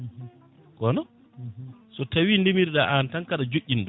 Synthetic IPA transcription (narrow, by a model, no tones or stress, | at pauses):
kɔnɔ | sɔtawiːndɛmiɾɗaʔantaŋkaɗad͡ʒoʔʲːindɔ